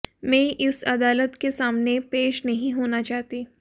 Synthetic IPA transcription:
mɛ̃ʔɪsɐd̪aːlət̪kesaːmnepeːʃnɐɦĩɦoːnat͡ʃaːɦt̪iː

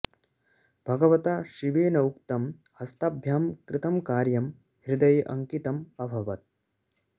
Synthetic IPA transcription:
b̥ʱɐɡɐʋɐt̪aʃiʋeːnɐwk̚t̪ɐm | hɐst̪ɐbʱjaːmkɾɪt̪ɐmkaːɾjɐm | hɾid̪ɐjʔɐ̰ŋkit̪ɐmɐbʱɐʋɐt̪̚

